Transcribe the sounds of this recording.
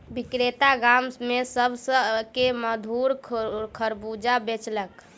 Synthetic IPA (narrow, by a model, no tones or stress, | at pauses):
bikɾet̪aɡamsmesəbsəkeməd̪ʱuɾkʰəɾbud͡ʒabet͡ʃlək